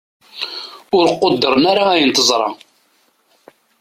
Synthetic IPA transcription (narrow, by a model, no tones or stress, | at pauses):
ʊɾəqːod̪ːəɾˤənaɾaæjənt̪əzˤɾˤɑ̰